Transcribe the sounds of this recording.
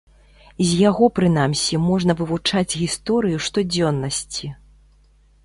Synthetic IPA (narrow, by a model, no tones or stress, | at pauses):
zʲjaɣɔpɾɨnamsʲimɔʐnɐvɨvut͡ʂad͡zʲɣʲist̪ɔɾɨjuʂt̪ɔd͡zʲɔnːɐsʲt͡sʲi